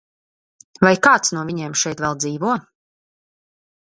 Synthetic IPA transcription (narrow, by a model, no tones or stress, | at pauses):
vajkaːt̪snuɔvʲiɲeɛmʃɛjt̪vɛlˠd̪ziːvuɔ